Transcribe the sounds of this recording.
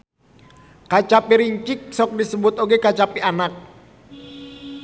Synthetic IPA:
kat͡ʃapiɾiɲt͡ʃɪk̚sɔk̚disəbʊt̪oɡekat͡ʃapianak̚

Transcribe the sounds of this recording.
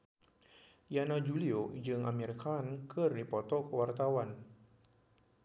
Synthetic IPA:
janad͡ʒuliod͡ʒɨŋa̰meɾikankʰəripɔt̪ɔkəwart̪awan

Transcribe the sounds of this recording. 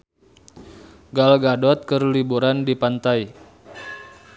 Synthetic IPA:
ɡalɡadɔt̪̚kərlibuɾandipant̪ai

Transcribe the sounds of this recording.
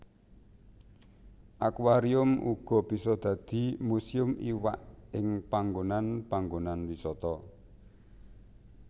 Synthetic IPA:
ʔakwaɾiʊmʔṵɡ̥ɔ̤b̥i̤sɔd̪̥ä̤d̪̥i̤musiʊmiwaʔɪŋpaŋɡonanpaŋɡonanwisɔt̪ɔ

